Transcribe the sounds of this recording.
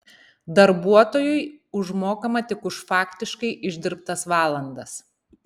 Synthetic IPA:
d̪ɐɾbuɔt̪oːjʊɪʊʒmoːkɐmɐt̪ʲɪkʊʃfɑːkʲt̪ʲɪʃkɐɪʔɪʒʲd̪ʲɪɾpt̪ɐsʋɑːlˠɐnd̪ɐs

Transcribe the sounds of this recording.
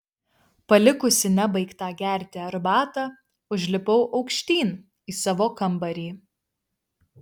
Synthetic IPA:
pɐlʲɪkʊsʲɪnʲɛbɐɪkt̪ɑːɡʲæˑɾʲd̪ʲeːɐɾbɑːt̪ɑː | ʊʒʲlʲɪpɒʊʔɒʊkʃʲt̪ʲiːn | iːsɑʋoːkɐmbɐɾʲiː

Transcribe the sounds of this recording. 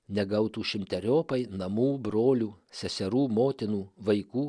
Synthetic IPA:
nʲɛɡɐʊt̪uːʃʲɪmʲt̪ʲɛɾʲoːpɐɪnɐmuːbɾoːlʲuːsʲɛsʲɛɾuːmoːt̪ʲɪnuːʋɐɪkuː

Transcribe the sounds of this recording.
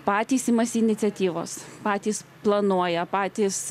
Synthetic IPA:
pɑːt̪ʲiːsimɐsʲɪɪnʲɪt̪sʲɛt̪ʲiːʋo̰ːspɑːt̪ʲiːsplˠɐnuɔjɛpɑːt̪ʲiːs

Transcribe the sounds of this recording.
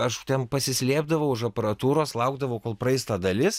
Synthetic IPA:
ɐʃt̪ʲɛnpɐsʲɪsʲlʲiːbd̪ɐʋɐʊɪʃɐpɐɾɐt̪uːɾoːslˠɐʊɡd̪ɐʋɐʊkoːlˠpɾɐɪst̪ɐd̪ɐlʲɪs

